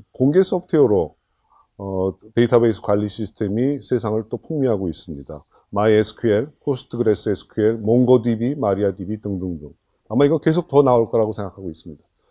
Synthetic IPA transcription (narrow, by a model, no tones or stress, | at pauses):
koŋɡe̞s͈ʰʌpʰtʰeoɾo | te̞itʰabe̞isʰɯ̥kwaʎːiɕʰisʰɯ̥tʰe̞misʰe̞sʰaŋɯɭt͈opʰuŋmiɦaɡois͈ɯmɲida | maiesʰɯ̥kʰɯe̞ɭkʰosʰɯ̥tʰɯɡɯɾe̞s͈ʰɯesʰɯ̥kʰɯe̞ɭmoŋɡʌdibimaɾiadibitɯŋdɯŋdɯŋ | amaiɡʌnke̞sʰok̚tʌnaoɭk͈ʌɾaɡosʰe̞ŋɡakʰaɡois͈ɯmɲid̥a